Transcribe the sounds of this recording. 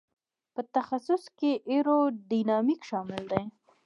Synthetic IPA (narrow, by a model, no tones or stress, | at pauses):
pət̪axasʊskeʔeɾoɖinɑmikʃɑmɪld̪e